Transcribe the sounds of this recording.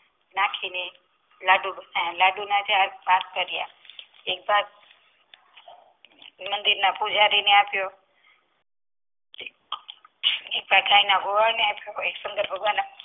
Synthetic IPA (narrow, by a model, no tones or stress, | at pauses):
nakʰine | laɖubnalaɖunat͡ʃaɾbat̪kəɾja̰ | ek̚bad̪̚ | mənd̪iɾnapud͡ʒʱaɾineapjo | ek̚paʈʰainaɡʱoʋanepeksə̃ŋɡ̪əɾbʱəɡʋana